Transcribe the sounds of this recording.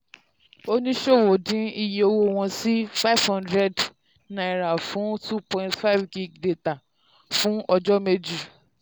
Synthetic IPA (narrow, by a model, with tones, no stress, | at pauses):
o˦nĩ˦ʃo˦˨wo˨dĩ˨˦i˧˨je˨o˧wo˦w̃ɔ̃˧si˦fa˦˨v̥hã˦ndɾɛ˧˨d | nã˨i˨ɾa˨fũ˨˦tu˦pɔ̃˨ĩ˨ntfa˦˨vɡi˦˨ɡde˦ta˨ | fũ˦ɔ˧d͡ʒɔ˦me˧d͡ʒu˨